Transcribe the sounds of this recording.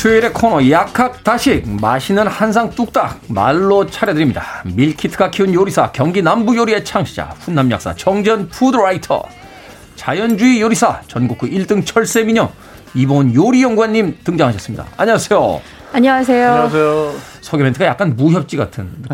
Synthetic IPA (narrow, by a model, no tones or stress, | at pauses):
sʰeiɾe̞kʰʌnʌjakʰak̚t͈aɕʰik̚maɕʰinɯnhans̬ʰaŋt͈uk̚t͈a̰k̚ma̰ɭːot͡ɕʰaɾjʌdɯɾimɲidamiɭkʰitʰɯkʰakʰiunjoɾisʰakjʌŋɡinambujoɾie̞t͡ɕʰaŋɕʰid͡ʑa̰ɸunːamja̰k̚s͈a̰t͡ɕʌŋd͡ʑʌnpʰudɾaitʰʌ̰ | t͡ɕajʌnd͡ʑuijoɾisʰa̰t͡ɕʌnɡukʰuʔiɭt͈ɯŋt͡ɕʰʌɭs͈e̞miɲʌ | ibonjoɾijʌŋɡuaɲːimtɯŋd͡ʑaŋɦaɕʰʌs͈ɯmɲḭda̰aɲʌasʰejo̰ | aɲʌŋas̬ʰe̞joeo | sʰoɡementʰɯɡajak͈anmuçjʌp̚t͡ɕ͈iɡa̰tʰɯn